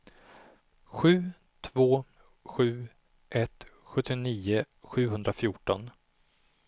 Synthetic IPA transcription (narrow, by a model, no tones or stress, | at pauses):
ɧʉ̟ː | t̪ʰvoː | ɧʉ̟ː | ʔɛt̪ | ɧɵt̪ʰːɪniːʊ | ɧʉ̟ːɦɵnd̪ɾafjuːʈɔn